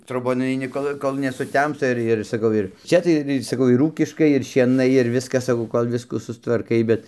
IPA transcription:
troːˈboːn nʊɐɪˈnʲɪ ˈkoːlˠ koːlˠ nʲɛsʊˈtʲɛmstɐ ˈɪr ɪr sɐˈkɐʊ ɪr ˈt͡ʃʲɛ tɐɪ ɪr ɪr sɐˈkɐʊ ɪr ˈuːkʲɪʃkɐɪ ɪr ʃʲiɛˈnɐɪ ɪr ˈʋʲɪskɐs sɐˈkɐʊ koːlˠ ˈʋʲɪskuː sʊstʋɐrˈkɐɪ ˈbʲɛt

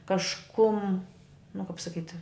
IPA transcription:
kɐʃˈkʊm nʊ kɐp sɐˈkʲiːtʲ

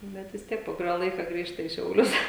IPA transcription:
ˈbʲɛt ʋʲɪs ˈtʲiɛk poː kʊˈrʲoː ˈlˠɐɪkɐ ˈɡrʲiːʃtɐ iː ʃʲɛʊˈlʲʊs

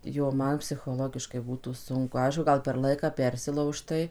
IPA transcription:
ˈjoː ˈmɐn pʲsʲɪxoːˈlˠoːɡʲɪʃkɐɪ ˈbuːtuː ˈsʊŋkʊ ˈɐɪʃkʊ ˈɡɐlˠ pʲɛr ˈlˠɐɪkɑː ˈpʲɛrʲsʲɪlˠɐʊʃtɐɪ

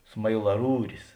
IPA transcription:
smɐɪlˠɐˈruːrʲɪs

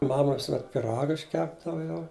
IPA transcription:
ˈmɑːmɐ ʋʲɪsʊˈmʲɛt pʲɪˈrɑːɡɐ ɪʃʲˈkʲæːbdɐʋɐ jɛʊ

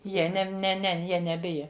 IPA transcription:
ˈjiɛ ˈnʲɛm nʲɛ ˈnʲɛ ˈjiɛ nʲɛˈbʲɪjɛ

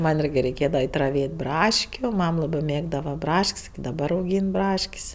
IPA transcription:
ˈmɐnʲ ˈiːrʲɡʲɪ rʲɛɪˈkʲeːdɐʋɐ ˈɐɪtʲ rɐˈʋʲeːtʲ ˈbrɑːʃʲkʲʊ ˈmɐm ˈlˠɑːbɜ ˈmʲeːɡdɐʋɐ ˈbrɐʃʲkʲsʲ ɪkʲɪ dɐˈbɐr ɐʊˈɡʲiːn ˈbrɐʃʲkʲsʲ

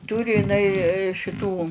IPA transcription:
ˈtʊrʲɪ ɪˈnɐɪ ʃʲɪˈtuː

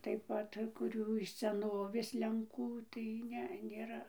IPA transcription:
tɐɪp ˈpɐt kʊˈrʲuː ɪʃ sʲɛˈnoːʋʲeːs lʲɛŋˈkuː tɐɪ ˈnʲɛ nʲeːˈrɐ

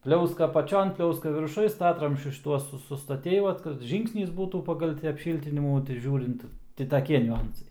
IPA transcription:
ˈpʲlʲɛʊskɐ ɐpɐˈt͡ʃʲoːn ˈpʲlʲɛʊskɐ ʋʲɪrˈʃʊj ˈstɑːtrɐmʲsʲt͡ʃʲʊs ʃʲɪˈtuɔs sʊ sʊstɐˈtʲɛɪ ˈʋɐt kɐt ˈʒʲiːŋksʲnʲɪs ˈbuːtuː ˈpɑːɡɐlˠ tʲɪ ɐpʲˈʃʲiːlʲtʲɪnʲɪmuː tɐɪ ˈʒʲuːrʲɪnt ˈtʲɪ tɐˈkʲiɛ nʲʊˈɐnsɐɪ

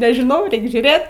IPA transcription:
nʲɛʒʲɪˈnɐʊ ˈrʲɛɪk ʒʲuːˈrʲeːt

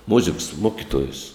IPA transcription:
ˈmʊzʲɪks ˈmoːkʲɪtuɔjʊs

